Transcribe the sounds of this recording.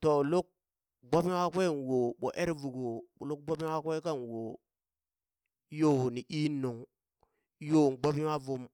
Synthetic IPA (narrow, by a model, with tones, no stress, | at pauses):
to˨lo˦k̚ | ɡ͡ba˦bi˦wa˦kʷe˦˨n˨wo˨ɓo̰˨ʔe˦ɾvu˨ɡo˨lo˦k̚ɡ͡bo˦bi˦wa˦kʷe˦ka˦nwo˨˦ | jo˦˨wni˨ʔi˦no˨ŋ˦ | jo˦˨ɡ͡ba˦bi˦wa˦vu˦m